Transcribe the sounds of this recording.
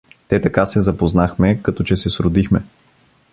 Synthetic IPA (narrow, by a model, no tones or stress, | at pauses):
t̪ɛt̪ɐkasɛzɐpoznaxmɛkɐt̪ɔt͡ʃɛsɛsɾʊd̪ixmɛ